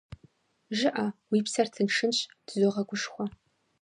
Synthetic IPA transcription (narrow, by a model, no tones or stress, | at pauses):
ʒɪʔawiːpsɐrtʰɨnʂɨnɕtʰzoʁɐɡʷʊʂxʷɔ